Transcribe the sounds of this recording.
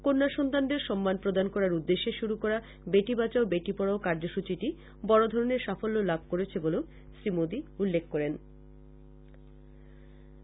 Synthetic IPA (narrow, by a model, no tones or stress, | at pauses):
koɾnaʃɔnt̪and̪eɾʃɔmːanpɾod̪ankɔɾaɾud̪ːeʃeʃuɾukɔɾa | beʈibat͡ɕaobeʈipɔɽaokaɾd͡ʑoʃut͡ɕiʈi | bɔɽod̪ʱɔɾoneɾʃafolːolab̚ʱkoɾet͡ɕʰeboleo | ʃɾimod̪iulːekʰːkɔɾen